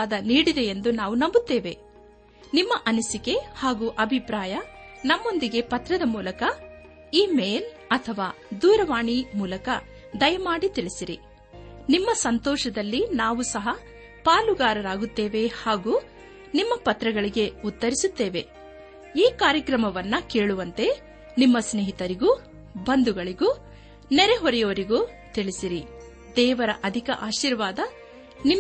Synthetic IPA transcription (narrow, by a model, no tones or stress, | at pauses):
aːd̪ɐniːɽid̪e̞jend̪unaːʋunɐmbut̪ːe̞ːʋe̞ | nimːɐʔɐnusike̞haːɡuːʔɐbʱipɾaːjɐ | nɐmːo̞nd̪iɡe̞pɐt̪ɾɐd̪ɐmuːlɐkɐ | iːme̞ːl | ɐt̪ʰɐʋaː | d̪uːɾɐʋaːɳimuːlɐkɐ | d̪ɐjɐmaːɽit̪iɭisiɾḭ | nimːɐsɐnt̪ɔːʃɐd̪ɐlːinaːʋusɐɦɐ | paːluɡaːɾɐɾaːɡut̪ːe̞ːʋe̞haːɡuː | nimːɐpɐt̪ɾɐɡɐɭiɡe̞ut̪ːɐɾisut̪ːe̞ːʋe̞ | iːkaːɾjɐkɾɐmɐʋɐnːɐke̞ːɭuʋɐnt̪e̞ | nimːɐsneːɦit̪ɐɾiɡu | bɐnd̪uɡɐɭiɡuː | nɛɾeɦɔɾɛjoʋɐɾiɡuː | t̪iɭisiɾi | d̪ɛːʋɐɾɐʔɐd̪ʱikɐʔaːʃiːɾʋaːd̪ɐ | ni